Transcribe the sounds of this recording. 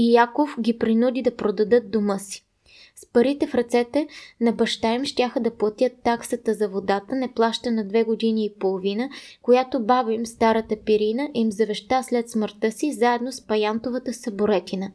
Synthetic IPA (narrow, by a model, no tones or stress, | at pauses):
ijakofɡʲipɾinud̪id̪ɐpɾod̪ɐd̪ɤt̪̚d̪omɤsi̥ | spɐɾit̪ɛfɾɐt̪sɛt̪ɛnɐbɐʃt̪aɛmʃt̪ʲaxəd̪ɐplˠɐt̪ʲjət̪ːaksət̪əzɐvod̪at̪ənɛplˠaʃt̪ənɐd̪vɛɡod̪iniːpolˠovinəkojat̪obabimst̪aɾət̪əpiɾinəʔimzɐvɛʃt̪aslɛt̪sməɾt̪ɤsizaɛd̪nospɐjant̪ovət̪əsɐboɾɛt̪ʲinə